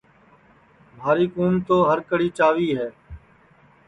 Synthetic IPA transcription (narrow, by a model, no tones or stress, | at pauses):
bʱaːɾiːkuːmt̪oːɦəɾkəɽiːt͡ʃaːʋiːɦɛː